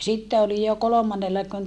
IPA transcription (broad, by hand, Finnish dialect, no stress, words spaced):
sitːe olij jo kolomɑnːelːɑ kun